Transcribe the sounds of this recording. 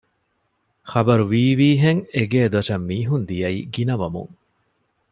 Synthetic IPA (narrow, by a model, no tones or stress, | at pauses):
χɐbɐɾuʋiːʋiːɦeŋeɡeːd̪ɐʂɐmːiːɦund̪ijɐḭɡinɐʋɐmṵŋ